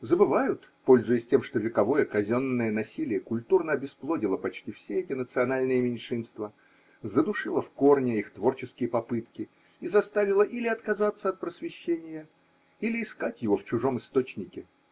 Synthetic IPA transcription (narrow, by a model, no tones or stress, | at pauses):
zəbɨvajʊt̪ | po̞lʲzʊjɪsʲtʲe̞mʂt̪o̞vʲɪkɐvo̞jəkɐzʲo̞nːəjənɐsʲilʲɪjəkʊlʲt̪urnəɐbʲɪsplˠo̞dʲɪlˠəpɐt͡ɕtʲifsʲeɛtʲɪnət̪sɨɐnalʲnɨjəmʲɪnʲʂɨnst̪və | zəd̪ʊʂɨlˠəfko̞rnʲɪixt̪vo̞rt͡ɕɪskʲɪjəpɐpɨt̪kʲɪ | izɐst̪avʲɪlˠəʔilʲɪɐt̪kɐzat̪sːəɐt̪̚pɾəsvʲɪɕːenʲɪjə | ilʲɪːskatʲjɪvo̞ft͡ɕʊʐo̞mɨst̪o̞t͡ɕnʲɪkʲɪ